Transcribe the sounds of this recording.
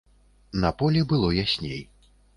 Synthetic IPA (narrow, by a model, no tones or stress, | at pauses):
nɐpɔlʲɛbɨlˠɔjasʲnʲḛj